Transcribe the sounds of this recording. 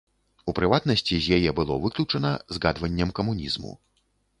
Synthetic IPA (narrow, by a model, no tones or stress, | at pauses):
upɾɨvat̪̚nɐsʲt͡sʲizʲjajɛbɨlˠɔvɨklʲut͡ʂɐnɐzɣad̪vɐnʲːɐmkɐmunʲizmṵ